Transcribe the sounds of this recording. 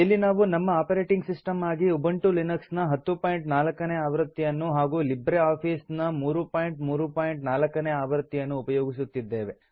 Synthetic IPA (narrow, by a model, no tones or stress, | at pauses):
ilːinaːʋunɐmːɐaːpɐɾeːʈiŋɡsisʈɐmaːɡiubɐɳʈulinɐksnɐɦɐt̪ːupaːjɳʈnaːlɐkːɐneːaːʋɐɾt̪ːijɐnːuɦaːɡuːlibɾeaːpʰiːsnɐmuːɾupaːjɳʈmuːɾupaːjiɳʈnaːlɐkːɐneːaːʋɐɾt̪ːijɐnːuːpɐjoːɡisut̪ːid̪ːe̞ːʋe